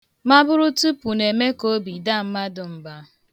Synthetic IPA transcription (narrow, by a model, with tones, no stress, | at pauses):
ma˦bʊ˦ɾʊ˦tu˦pu˨ne˨me˦ko˦bi˨da˦˨m̩˦ma˦dʊ˨m̩˦ba˦